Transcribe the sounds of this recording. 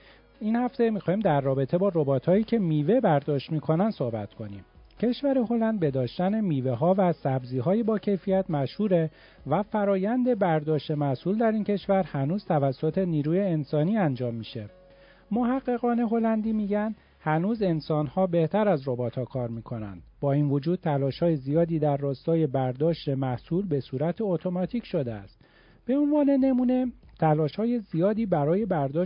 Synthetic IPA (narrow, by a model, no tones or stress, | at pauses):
inhæft̪e̞mixɒːhiːmd̪æɾːɒːbe̞t̪ʰe̞bɒːɾo̞bɒːt̪ʰhɒːiːcʰe̞miːvebæɾd̪ɒːʃt̪miːkʰo̞nænd̪so̞hbæt̪kʰo̞nḭːmcʰe̞ʃvæɾeho̞lænd̪̚be̞d̪ɒːʃt̪æne̞miːveɦɒːvæsæbziːɦɒːjebɒːcʰe̞jfijæt̪ʰmæʃhuːɾe̞ | væfæɾɒːjænd̪e̞bæɾd̪ɒːʃt̪e̞mæsuːld̪æɾiːncʰe̞ʃvæɾhænuːz̥t̪ʰævæsːot̪ʰe̞niːɾuːjeːnsɒːniːænd͡ʒɒːmːiːʃe̞ | mo̞ɦæɣːe̞ɣɒːne̞ɦo̞lænd̪iːmiːɟænd̪̥ | hænuːze̞nsɒːnhɒːbe̞ht̪ʰæɾæzro̞bɒːt̪ʰhɒːkʰɒːɾmiːkʰo̞næ̰nd̪̥bɒːiːnvod͡ʒuːd̪̚t̪ʰælɒːʃhɒːjezijɒːd̪iːd̪æɾːɒːst̪ɒːje̞bæɾd̪ɒːʃt̪e̞mæhsuːlbe̞suːɾæt̪ʰeot̪ʰo̞mɒt̪ʰiːcʰʃo̞d̪eæ̰st̪ | b̥e̞onvɒːne̞ne̞muːne̞t̪ʰælɒːʃhɒːje̞zijɒːd̪iːbæɾɒːje̞bæɾd̪ɒː